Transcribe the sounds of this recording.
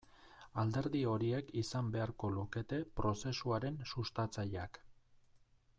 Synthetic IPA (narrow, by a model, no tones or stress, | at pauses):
ald̪e̞ɾðio̞ɾie̞kisambe̞aɾko̞luke̞t̪e̞pɾo̞se̞suaɾe̞nsust̪at͡saʎak